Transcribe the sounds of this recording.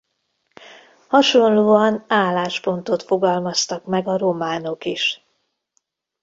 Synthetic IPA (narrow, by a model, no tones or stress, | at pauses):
hɒʃo̞nloːɒnaːlːaːʃpo̞nt̪o̞t̪fo̞ɡɒlmɒst̪ɒkmɛɡɒɾo̞maːno̞kiʃ